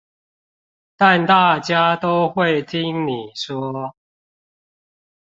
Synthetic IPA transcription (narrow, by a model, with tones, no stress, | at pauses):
t̪a˥˨nt̪a˥˨t͡ɕja˦t̪o˦ʊxwe˥˨ɪt̪ʰi˦nni˨˩swɔ˦